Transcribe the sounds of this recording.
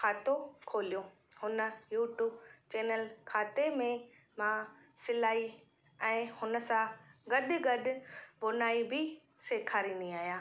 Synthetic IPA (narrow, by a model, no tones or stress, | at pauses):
kʰaːt̪okʰoːlijo | hʊnə̆juːʈjuːbt͡ɕeːnəlkʰaːt̪emẽ | mã | sɪlaːi | ɛ̃ːhʊnə̆sãɡɐɗɡɐɗʊ̆bʊnaːibʱɪ | seːkʰaːɾind̪iaːɦijaː